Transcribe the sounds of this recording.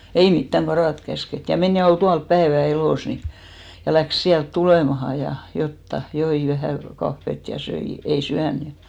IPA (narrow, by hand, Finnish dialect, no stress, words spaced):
ei mitːæŋ ɡ̊ɑrɑˑt kæsket jɑ men jɑ ol tuɑl pæeʋæ eloˑs ni jɑ læks siælt tuleˑmɑhɑ jɑ jotːɑ joi ʋæhæˑ kɑfːet jɑ søi ei syæn jɑ